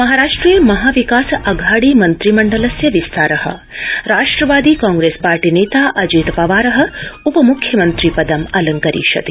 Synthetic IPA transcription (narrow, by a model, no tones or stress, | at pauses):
mɐɦaːɾaːʂʈɾiːjɐmɐɦaːʋikaːsɐɡʱaːɽiːmɐnt̪ɾimɐɳɖɐlɐsjɐʋist̪ʰaːɾɐhɐ̰̆ɾaːʂʈɾɐʋaːd̪iːkãːŋɡɾeːspaːɾʈineːt̪aːʔɐd͡ʒiːt̪pɐʋaːɾɐɦɐ̆upɐmukʰjɐmɐnt̪ɾipɐd̪ɐmɐlɐŋkɐɾḭːʃɐ̰t̪i